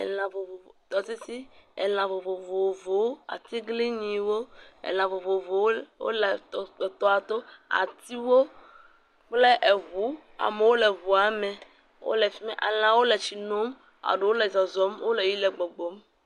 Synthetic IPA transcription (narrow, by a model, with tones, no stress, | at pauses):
ɛ̰˨lã˨vo˨vo˨o˨t̪ɔ˨t̪i˦si˦ɛ̰˨l̃ã˨vo˨vo˨vo˨vo˨˦a̰˨t̪i˦ɡli˦ɲĩ˨wo˦ɛ̰˨l̃ã˨vo˨vo˨vo˨˦wo̰˦le˨t̪ɔ˦a˨t̪o˦a̰˨t̪i˦wo˦ | k͡ple˦ʔe˨βu˨˦ | a̰˨me˨wo˦le˨vu˨a˨mɛ̃˨ | wʔo̰˦le˨fi˦me˦ʔa̰˨l̃ã˨wo˦lɛ˨t͡ʃi˨nõ˦m | a̰˨ɖo˨wo˦le˨zɔ˨zɔ˨˦mwo˦le˨ji˦lɛ˨ɡ͡bɔ˨ɡ͡bɔ˨˦m